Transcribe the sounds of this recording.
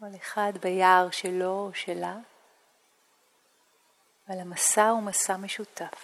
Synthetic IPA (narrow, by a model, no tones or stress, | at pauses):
aleχad̪bajaʁʃelo̞ʃela | valhamasaumasame̞ʃut̪af